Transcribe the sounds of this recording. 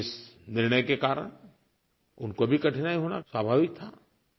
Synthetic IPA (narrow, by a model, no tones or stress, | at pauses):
ɪsnɪɾnəjkekaːɾə̰ɽ̃ | ʊnkobʱikɐʈʰnaːiɦoːna̰swaːbʱaːʋɪk̚t̪ʰaː